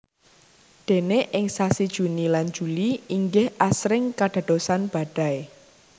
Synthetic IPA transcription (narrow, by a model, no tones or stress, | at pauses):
d̪̥e̤neʔɪŋsasid̥ʒ̥ṳniland̥d͡ʒ̥uliiŋɡɪhʔasɾɪŋkaɖ̥ä̤d̪̥o̤sanb̥ä̤ɖ̥a̤e